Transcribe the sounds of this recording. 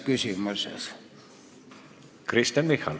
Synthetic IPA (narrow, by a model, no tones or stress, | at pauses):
kysymysḛs | kɾist̪janmixal